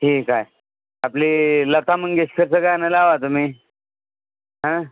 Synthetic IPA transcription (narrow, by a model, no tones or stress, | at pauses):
ʈʰiːkaj | apliːlət̪amənɡest̪əɾsəkɡajanəlaʋat̪um̤iː | ɦə̃